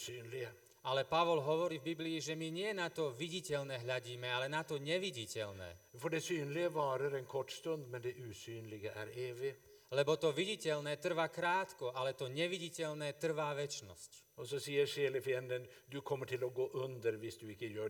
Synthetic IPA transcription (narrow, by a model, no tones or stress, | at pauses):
syːnlɪə | alɛpaʋɔlɦɔʋɔɾivbibliːʒɛmiɲɪɛnat̪ɔʋiɟicɛʎnɛːɦlʎaɟiːmɛalɛnat̪ɔɲɛʋiɟicɛʎnɛ̰ːfɔɖɛsyːnlɪɡəʋɑːɾəɾɛːnkʰɔʈːst̪ɵnd̪mɛnd̪ɛʔʉːsyːnlɪɡəʔæ̰ɾeːʋɪlɛbɔt̪ɔʋiɟicɛlnɛːt̪r̩ʋakɾaːt̪kɔʔalɛt̪ɔɲɛʋiɟicɛʎnɛːt̪r̩ʋaːʋɛt͡ʃnɔ̰sc | ɔsɔsiːəɾʃeːlɪfɪɛnd̪ən | d̪ʉkʰɔmːəʈʰɪlɔɡoːʔʉnd̪əɾʋɪsd̪ʉɪkːəjøː